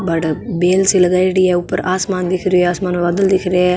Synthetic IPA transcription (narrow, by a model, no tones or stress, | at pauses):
bɐɽbeːlsilɐɡɐjɖijeupːɐɾaːsmaːnd̪ikʰiɾeaːsmaːnʋɐd̪ɐld̪ikʰiɾe